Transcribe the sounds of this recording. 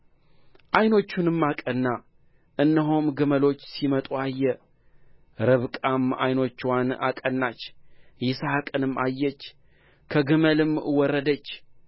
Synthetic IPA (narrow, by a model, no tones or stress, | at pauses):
ʔajno̞t͡ʃːunɨmːakʼənːa | ʔɨnːəɦomɡɨməlo̞t͡ʃːsimət̪ʼuajːɛ | ɾɨβkʼama̰jno̞t͡ʃːwana̰kʼənːat͡ʃːjɪsaakʼənɨmːʔajːɛt͡ʃː | kʰəɡɨməlɨmwɔrːəd̪ət͡ʃː